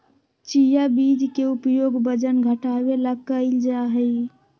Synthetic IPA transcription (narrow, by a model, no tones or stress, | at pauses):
t͡ʃijabid͡ʒkeupjoɡbəd͡ʒənɡʱəʈawelaɡkəɪld͡ʒaɦəj